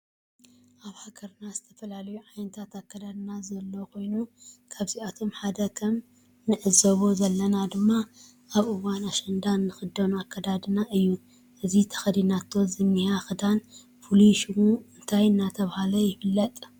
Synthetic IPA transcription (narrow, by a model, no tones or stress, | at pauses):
ʔaβhakʰɐɾnazɨt̪ʰɐfɐlalɐjuʕajnɐt̪ʰat̪akːɐd̪ad̪ɨnazɐlːokʰo̞jnukʰaβziat̪ʰo̞mħad̪ɐkʰɐm | nɨʕɨzɐβozɐlːɐnad̪ɨmːa | ʔaβʔɨwanaʃɐnd̪anːɨxɨd̪o̞nakːɐd̪ad̪ɨnaʔɨjːu | ʔɨzit̪ʰɐ̥xɐd̪inat̪ʰːozɨnːihaxɨd̪an | fuliʃumuɨnt̪ʰajɨnːat̪ʰɐβahalɐjɪfɨlːɐt̪ʼ